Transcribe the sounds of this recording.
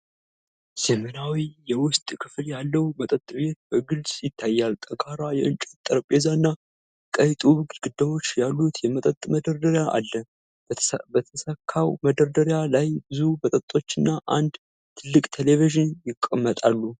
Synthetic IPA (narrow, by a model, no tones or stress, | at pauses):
z̥əmənawijɛwʊst̪ʼkʰɨfljalːəwmət̪ʼət̪ʼbe̞t̪̚b̥əɡɨlsʼjɪt̪ʰːajːalt̪ʼəkʰaɾajɛʔɨnt͡ʃʼɛt̪ʼːəɾəpʼezanːa | kʼəjt̪ʼuβɡlɡɨd̪ːəwo̞t͡ʃːjalːut̪jɛmət̪ʼət̪ʼməd̪əɾd̪əɾjaʔa̰lːə | ət̪ʰəsəkʰːawməd̪əɾd̪əɾjalajbɨzubət̪ʼət̪ʼo̞t͡ʃːɪnːaʔand̪ | t̪ʰɨlːɨkʼt̪ʰe̞leviʒɪnjɪkʼːəmːət̪ʼalːu